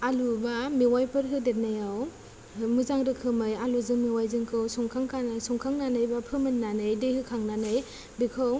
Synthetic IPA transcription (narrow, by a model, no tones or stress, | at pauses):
alubamiwajpʰɯɾɦɯdet̚najaw | mɯzaŋɾɯkʰɯmɯjaluzɯŋmiwajzɯŋkʰɯwsɔŋkʰaŋkʰanajsɔŋkʰaŋnanɯjbapʰɯmɯnːanɯjdehɯkʰaŋnanɯj | bikʰɯw